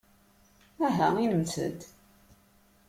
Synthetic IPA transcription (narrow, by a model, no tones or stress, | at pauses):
æɦæinəmt͡sə̰d̪